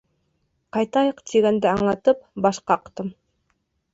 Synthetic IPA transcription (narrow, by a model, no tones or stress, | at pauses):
qɑjt̪ɑjɤqt̪ʰiɡænd̪ɘɑɴlˠɑt̪ɤp̚bɑʃqɑːqt̪ɤm